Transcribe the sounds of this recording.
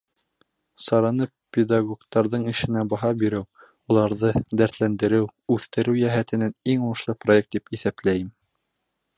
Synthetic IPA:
sɑɾɑnɤ | pʲed̪ɑɡokt̪ɑɾðɤɴɘ̆ʃɘ̆næbɑɦɑbiɾɘw | ulˠɑɾðɤd̪æɾt̪lænd̪ɘ̆ɾɘwʉθt̪ɘ̆ɾɘwjæɦæt̪ɘ̆næniŋuɤ̆ʃlˠɤprojek̚t̪̚d̪ipiθæplæjɘm

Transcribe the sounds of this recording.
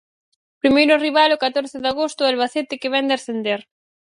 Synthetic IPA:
pɾimejɾʊariβ̞alokat̪oɾθɪðaɣost̪ʊɛlβaθet̪ɪkɪβɛnd̪ɪasθend̪eɾ

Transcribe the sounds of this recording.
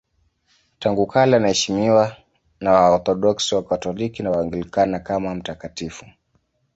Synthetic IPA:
taŋɡukʰalɛanahɛʃimiwa | nawaɔɾθɔɗɔksiwakatɔlikinawaŋɡilikanakamam̩takatifu

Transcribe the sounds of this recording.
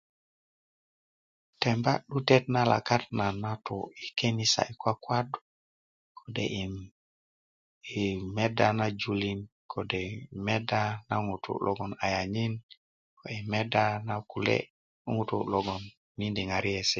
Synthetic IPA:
tembaɗutet̚nala̰kat̚nanato̰ikenisa̰ikwakwadu̥ | kʰodḛi | imedanad͡ʒulinkʰodemedanaŋutṵlɔɡɔnajaɲin | koimedanakulḛ | uŋutuloɡɔnː | indiŋaɾijesɛ

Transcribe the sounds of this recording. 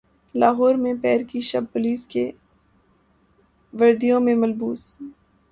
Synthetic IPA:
laːɦɔːɾmẽpɛːɾkiʃɐb̚pʊliːske | ʋɐɾd̪ijõmẽmɐlbuːs

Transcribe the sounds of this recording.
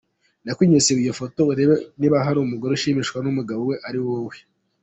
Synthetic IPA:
nakwiːɲoseβijofo̞to̞uɾe̞βeniβaɦaɾumuɡoɾeuʃiːmiʃkwanumuɡaβowe̞ʔaɾiwowe

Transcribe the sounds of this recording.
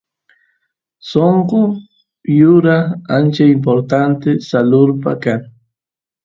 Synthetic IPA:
soɴqo | jʊɾaant͡ʃaɪmp̬oɾt̪ant̪ɪsalʊɾpa̰kaŋ

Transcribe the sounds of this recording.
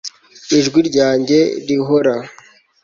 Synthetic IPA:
iʒɡwiɾɟaːɲɟe̞ɾiɦoɾa

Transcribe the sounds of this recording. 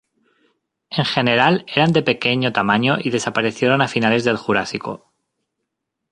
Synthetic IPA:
e̞ŋxe̞ne̞ɾale̞ɾand̪e̞pe̞ke̞ɲot̪amãɲo̞ʔiðe̞sapaɾe̞θje̞ɾo̞nafinale̞zðe̞lxuɾasiko̞̰

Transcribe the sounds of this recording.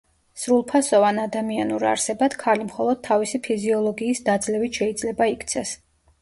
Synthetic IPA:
sɾulˠpʰasɔvanad̪amianuɾa̰ɾsɛbad̪̥kʰalimχɔlˠɔd̪̚t̪ʰːavisipʰiziɔlˠɔɡiːsd̪ad̪zlɛvit̪ʃɛid̪zlɛbaikʰt̪sʰɛs

